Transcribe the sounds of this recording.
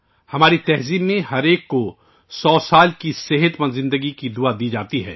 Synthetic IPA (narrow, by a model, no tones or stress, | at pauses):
hɐmaːɾit̪ɛɦziːbmẽɦɐɾeːkːo | sɔːsaːlkiseɦət̪mɐ̃nzɪ̃nd̪əɡikid̪uad̪iːd͡ʒaːt̪iɦɛ̰ː